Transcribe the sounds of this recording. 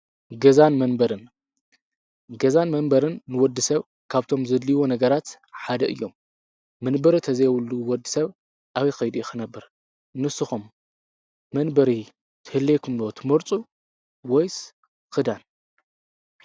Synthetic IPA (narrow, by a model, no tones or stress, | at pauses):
ɡɐzanmɐnbɐɾɨn | ɡɐzanmɐnbɐɾɨnːɨwɔd̪ːɨsɐβ | kʰaβt̪ʰo̞mzɐd̪liwonɐɡɐɾat̪ | ħad̪ɐʔɨ̰jːo̞mː | ɐnbɐɾit̪ʰɐzɐjwulːuwɔd̪ːɨsɐβ | ʔaβikɐjd̪ujɪxɨnɐbːɨɾ | nɨsɨxumː | ɐnbɐɾi | t̪ʰɨhɨlːekʰɨmlot̪ʰɨmɐɾt͡sʼu | wɔjs | kɨd̪an